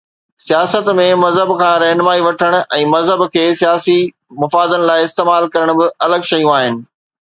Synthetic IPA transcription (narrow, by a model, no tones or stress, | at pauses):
sijaːsət̪mẽmɐzɦəbkʰãːɾɛɦnmaːiʋɐʈʰəɽ̃ʊ̆ʔɛ̃ːmɐzɦəbkʰeːsijaːsi | mɐfaːd̪ənɪ̆laːɪɪst̪eːmaːlkɐɾəɽ̃bɪɐləɡʃɐjũaːɦɪnɪ̆